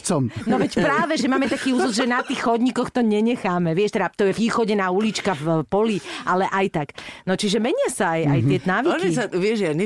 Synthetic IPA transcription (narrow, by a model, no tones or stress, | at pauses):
t͡sɔmnɔʋɛcpɾaːʋɛʒɛmaːmɛt̪akiːuːzɔzʒɛnat̪iːxxɔd̪ɲikɔxt̪ɔɲɛɲɛxaːmɛʋɪɛʃt̪ɛd̪at̪ɔjɛʋiːxɔɟɛnaːulit͡ʃkafpɔliʔalɛʔajt̪aknɔt͡ʃiʒɛmɛɲɪasaːjajt̪ɪɛt̪ɔnaːʋiɔʒksaʋɪɛʒani